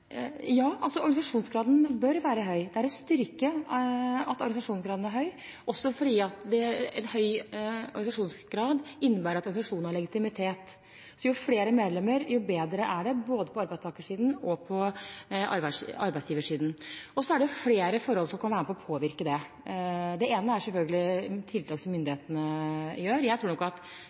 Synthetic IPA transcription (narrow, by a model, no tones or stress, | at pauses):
jɑːʔɑlsɔɔɾɡɑɪsɑʂuːnsɡɾɑːd̪nbœɾʋæːɾəɦœʏd̪ɛæɾɔst̪ʏɾkə | ɑt̪ɔɾɡnsɑʂuːnsɡɾɑːd̪n̩æɾɦœʏ | ɔsːɔfɔɖiːɑt̪d̪ɛɛ̰nhœʏɔ̰ɾɡɑnɪsɑʂuːnsɡɾɑːd̪ɪnːəbæːɾɑt̪ɔɾɡnɪsɑʂuːnnhɑɭɛɡɪt̪ɪmɪt̪ʰeːt̪ | sɔjʊfleːɾəmeːd̪lɛmːəɾjʊbeːd̪ɾəʔæɖɛboːd̪əpʰɔɑɾbæɪst̪ɑːkəʂiːd̪n̩ɔpʰɔʔɑ̰ɾbæʂɑɾbæɪsjiːʋəʂiːd̪n̩ɔsːɔæɖɛjʊfleːɾəfɔɾɔlsɔmkʰɑnʋæːɾməpʰɔɔpʰoːʋɪɾkəd̪ɛ | d̪ɛeːnəæɾsɛlfœlɡəlɪt̪ʰɪlt̪ɾɑːksɔmʏnd̪ɪeːt̪ənəjøːɾjæɪt̪ɾuːɾnɔkːɑt̪